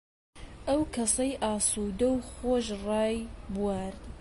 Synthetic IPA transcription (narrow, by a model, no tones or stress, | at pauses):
ʔɐwkʰɐsɐjʔɑːsuːd̪ɐwxoːʒrɑːjbuwaːɾd̪